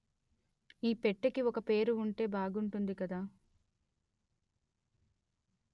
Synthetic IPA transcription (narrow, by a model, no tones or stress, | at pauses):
iːpeʈːɐkiɔkɐpe̞ːɾuuɳʈe̞ːbaːɡuɳʈund̪ikɐd̪aː